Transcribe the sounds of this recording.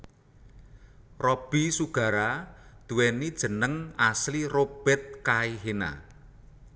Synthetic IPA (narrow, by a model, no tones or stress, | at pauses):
rɔb̥i̤suɡ̥a̤ɾad̪̥ṳwɛnid̥ʒ̥ə̤nəŋaslirob̥ɛt̪̚kaiɦena̰